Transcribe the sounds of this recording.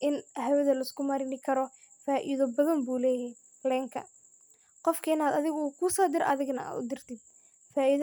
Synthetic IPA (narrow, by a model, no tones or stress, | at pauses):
ʔɪnɦɛwɐðɐlɐɪskʰʊmɐɾɪnɪkʰɐɾɔ | faːʔiðɔbɐðɐmbuːlɛːjɛj | lɛːŋkʰɐ̰ | qɔfkʰɐɪnaːd̪ɐðɪɣʊuːkʰʊsɔːd̪ɪɾʔɐðɪɣnɐʔa̰ːd̪ʊ̰d̪ɪrt̪ʰɪd̪̚ | faːʔið